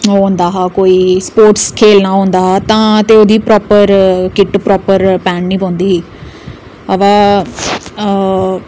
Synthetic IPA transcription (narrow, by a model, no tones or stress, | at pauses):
ɦõːnd̪aːɦaːkoːiːspoːɾʈskʰeːlnaːɦõːnd̪aːɦaːt̪ãːt̪eːoːd̪iːpɾɔːpəɾkɪʈpɾɔːpəɾpɛːnnĩːpõːnd̪iːɦiː | əʋaː